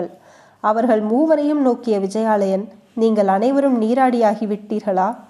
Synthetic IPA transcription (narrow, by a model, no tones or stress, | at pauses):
ɐɭ | ɐʋɐɾɣɐɭmuːʋɐɾɐjɯmnoːkɪjɐʋɪd͡ʒɐjaːɭɐjɐn | niːŋɡɐɭɐnɐɪʋɐɾɯmniːɾaːɽɪjaːɣɪʋɪʈːiːɾɣɐɭaː